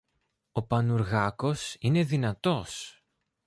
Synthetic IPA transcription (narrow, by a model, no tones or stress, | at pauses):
o̞pɐnuɾɣɐko̞sine̞ðinɐt̪o̞s